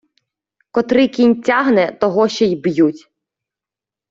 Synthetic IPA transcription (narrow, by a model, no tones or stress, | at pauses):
kɔt̪ɾɪkʲinʲtʲaɦnɛt̪ɔɦɔʃt͡ʃɔjbjutʲ